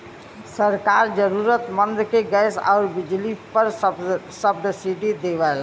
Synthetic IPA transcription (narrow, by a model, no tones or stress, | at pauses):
səɾkaɾd͡ʒəɾuɾət̪mə̃nd̪keɡɛɪsa̰ʊɾbɪd͡ʒlipəɾsəb̚ɖsiɖid̪eʋəl